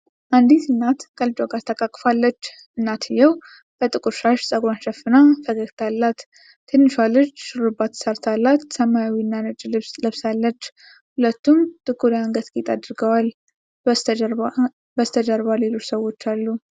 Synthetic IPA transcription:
ʔand̪it̪ɨnːat̪kʼəld͡ʒʼoɡat̪ʰəkʼakʼːfalːət͡ʃː | ʔɨnːat̪ʰɨjːɛw | b̥ət̪ʼɨkʼuɾʃaʃsʼəɡanʃəfɨnafəɡəɡt̪ʰalːat̪ːʰ | ɨnːɨʃalːət͡ʃːʃɨlubːat̪ːsəɾt̪ʰalːat̪səmːajawinːanɨd͡ʒʼɨslɨβsalːət͡ʃː | hulət̪ʰːumt̪ʼɨkʼːuɾiaŋɡət̪ɡʼit̪ʼad̪ɨɾɡəwal | bəzt̪ʰəd̪əɾbalelo̞t͡ʃːsəwo̞t͡ʃːalːu

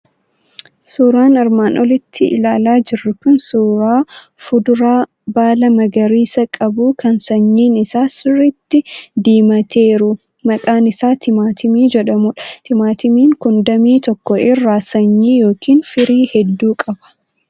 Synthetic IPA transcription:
suːɾaːnɪɾmaːnʔɔlɪt̪ʰːɪʔɪ̰laːlaːd͡ʒɪrːʊkʊnsuːɾaː | fʊd̪ʊɾaː | baːlɐmɐɡɐɾiːsɐkʼɐbuːkʰɐnsɐɲːiːnɪsaːsɪrːit̪ːɪd̪iːmɐt̪ʰeːɾʊ | mɐkʼaːnɪsaːt̪ʰɪmaːt̪ʰɪmiːd͡ʒɛᶑɐmuːᶑɐ̥t̪ʰɪmaːt̪ɪmiːŋkʊnd̪ɐmiːt̪ɔkːɔɪrːaːsɐɲːiːjo̞ːkiːnfɪɾiːhɛd̪ːuːkʼɐbɐ̥

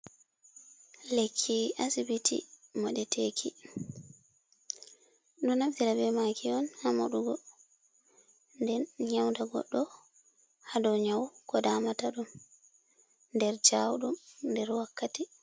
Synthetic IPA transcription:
lekʰːiasibitḭmɔɗɛtʰekʰi | ɗunafdiɾabɛmakʰiɔnhama̰ɗuɡɔ | ndɛnɲawndaɡɔ̰ɗːɔ | hadɔɲawkɔdaːmataɗum | ndɛɾd͡ʒawɗumndɛɾwakːati

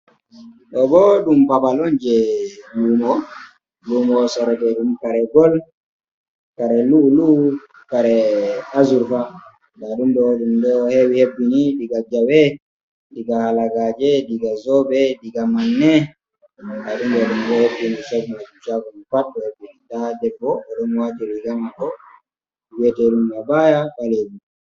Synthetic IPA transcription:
ɗɔbɔɗumpabalɔnd͡ʒɛjuːmɔ | lumɔsɔɾɔdɛɗumkaɾɛɡɔl | kaɾɛlulu | kaɾɛazuɾfa | ɡaɗumdɔɗumdɛɔhewihebːiniɗiɡad͡ʒawɛ | diɡahalaɡad͡ʒɛdiɡazɔbɛdiɡamanːɛ | ɡaɗumdɔɗumɗɔhebːinit͡ʃaɡimad͡ʒut͡ʃakumfaɗːɔhebːinidadɛbːɔːɗɔmwat͡ʃiɾiɡamakɔ | wɛtɛɗumɡabajakalebi

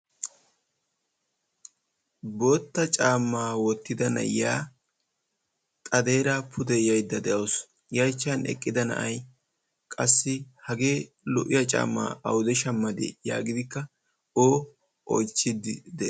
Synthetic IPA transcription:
boːt̪ːɐt͡ʃʼaːmːaːwɔt̪ːɪd̪ɐnɐ̰jaː | t̪ʼɐd̪e̞ːɾaːpʰʊd̪ɛjɐjd̪ːɐd̪ɛʔɐws | jɐjt͡ʃːɐnɛ̰kʼːɪd̪ɐnɐ̰ʔɐj | kʼɐsːɪhɐɡe̞ː | lɔʔɪjɐt͡ʃʼa̰ːmːa̰ːɐwʊd̪ɛʃɐmːɐd̪ḛːja̰ːɡɪd̪ɪkːɐ | oː | ʔo̰jt͡ʃːɪd̪ɪd̪ɛ

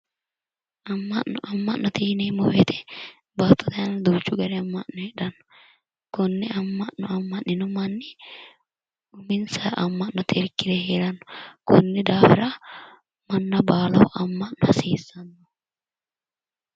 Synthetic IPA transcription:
ʔɐmːɐʔːɔʔɐmːɐʔnːɔt̪iːnɛmɔwɛt̪ʰɛ̥ | baːt̪ːɔt̪ɐɐnɐnd̪uːt͡ʃːʊɡɐɾɛɐmːɐʔnːɔhɛᶑɐnːɔ̥ | kʊnːɛɐmːɐʔɔɐmːɐʔnɪnɔmɐnːɪ | ʊmɪnsɐːʔɐmːɐʔnɔt̪ʰɪɾkːɪɾɛɦeːɾɐnːɔ̥kʊnːɛd̪aːfɪ̰ɾɐ | mɐnːɐbaːlɐwʔɐmːɐʔnːɔhɐseːsːɐnːɔ

